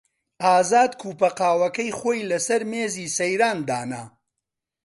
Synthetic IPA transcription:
ʔaːzaːd̪kʰuːpɐqaːwɐkɐjχoːjlɐsɐɾmeːziːsɐjɾaːnd̪a̰ːna̰

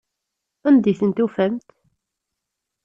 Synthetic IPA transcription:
ænd̪iθənt̪ufæmt̪

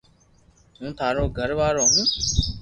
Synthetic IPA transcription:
ũːt̪ʰaːɾõːɡʱəɾʋaːɾoːɦũː

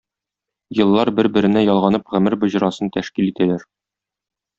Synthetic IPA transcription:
jɤ̆lˠːɑɾbɘɾbɘ̆ɾɘ̆næjɒlˠʁɑnɤpʁɘ̆mɘɾbŏʑɾɑsɤnt̪æʃkilit̪ælæɾ

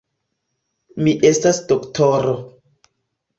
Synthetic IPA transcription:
miʔe̞stasdoktʰoɾo

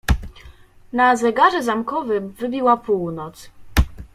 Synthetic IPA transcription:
nazɛɡaʐɛzamkɔvɘvɘbʲiwapuwnɔt̪s

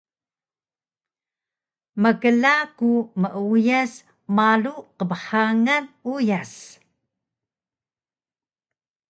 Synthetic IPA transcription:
məɡəlakuməʔujas | maluqəbəħaŋanujas

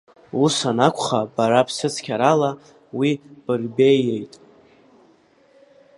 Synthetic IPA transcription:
usanakʷʰʼχabaɾapʰsɨt͡sʰkʲʰaɾala | wib̥ɨrbe̞je̞jtʼ

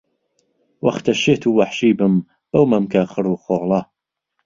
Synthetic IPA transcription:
wɐxt̪aʃet̪ʰuːwaħʃiːbɨm | b̥ɐwmɐmkaxɨɾuːxoːlˠɑ

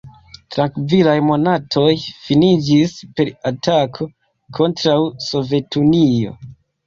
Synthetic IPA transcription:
tɾaŋkvilajmo̞natʰo̞jfinid͡ʒispe̞ɾatakʰo̞ | kʰo̞ntɾawso̞ve̞tunio̞̰

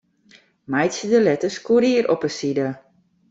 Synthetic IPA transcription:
majtsədəlɛtəskuɾiːɾɔpəsidə

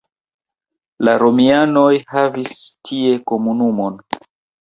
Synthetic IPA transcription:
laɾo̞miano̞jhavistʰie̞ko̞munumo̞n

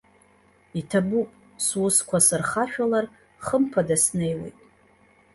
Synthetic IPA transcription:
itʰabupʼ | swʊskʷʰasɨrχaʃᶣalar | χəmpʰadasne̞jwḛjtʼ

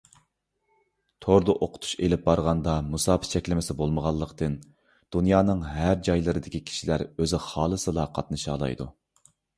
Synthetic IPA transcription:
t̪ʰoɾd̪ɑʔoqʰʊ̥t̪ʰu̥ʃelɪp̚bɑɾʁɑnd̪ɑmusɑːpʰɨt͡ʃʰɛkʲlɪmɪsɪbolˠməʁɑlˠːəqt̪ɨn | d̪̥unjɑːnɨŋɦæɾd͡ʒɑjlˠɨɾɨd̪ɪkʲʰikʲʰi̥ʃilæɾøzɪχɑːlˠɨsɨlˠɑqʰɑt̪nɨʃɑ̰ːlˠɑ̰jd̪ṵ

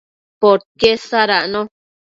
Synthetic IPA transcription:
poɾkesaɾaʔnõ

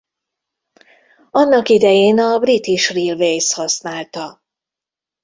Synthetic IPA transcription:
ɒnːɒkid̪ɛjeːnɒbrit̪iʃrilvejshɒsnaːlt̪ɒ

